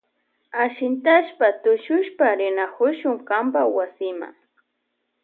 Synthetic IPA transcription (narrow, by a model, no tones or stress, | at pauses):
aʃɪnt̪aʃpat̪ʊʃʊʃpaɾɪnakʊʃʊŋkambawasɪma̰ŋ